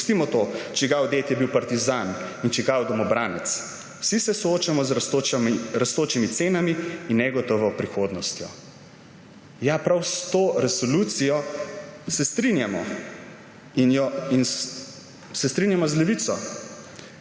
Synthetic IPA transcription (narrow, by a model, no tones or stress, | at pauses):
st̪imɔt̪ot͡ʃɛɡawd̪eːt̪jɛbiwpaɾt̪izan | int͡ʃɛɡawd̪ɔmɔbɾaːnɛt̪s | w̥sisɛsɔoːt͡ʃamɔzt̪omɾast̪oːt͡ʃimit̪seːnamiːnːɛɡɔt̪ɔʋɔpɾixoːd̪nɔst̪jɔ̰ | japɾawst̪oːɾɛsɔlut̪sijɔ | sɛst̪ɾinjamɔ̰ | injɔin | sɛst̪ɾinjamɔzlɛʋit̪sɔ